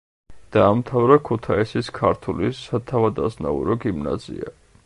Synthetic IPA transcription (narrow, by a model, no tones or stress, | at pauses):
d̪̥aːmt̪ʰavɾakʰut̪ʰaisiskʰaɾt̪ʰulisat̪ʰavad̪asna̰ṵɾɔɡimna̰zḭa